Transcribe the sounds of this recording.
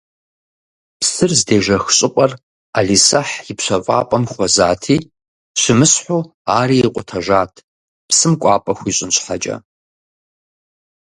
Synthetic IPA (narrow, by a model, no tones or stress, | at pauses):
psɨrzdeːʒɐxɕʼɪqʷʼɐr | aɮisɐħjɪpɕʷɐvʼa̰ːpʼɐmχʷɔzaːtʰiː | ɕʷɪmɨsħoː | aːɾiːiqʷʼʊtʰɐʒaːtʰ | psɨmkʷʼɑːpʼɐxʷiːɕʼɪnɕʷħat͡ʃʼɐ̰